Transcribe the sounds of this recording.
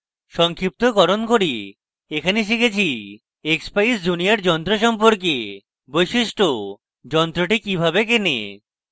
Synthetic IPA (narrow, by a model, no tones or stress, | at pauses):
ʃɔŋkʰip̚t̪oɡɔɾonkoɾi | ekʰaneʃ̬ikʰet͡ɕʰi | ekspaisd͡ʑuniaɾd͡ʑɔnt̪ɾoʃɔmp̬oɾk̬e | bojʃiʃʈo | d͡ʑɔnt̪ɾoʈikibʱabek̬enḛ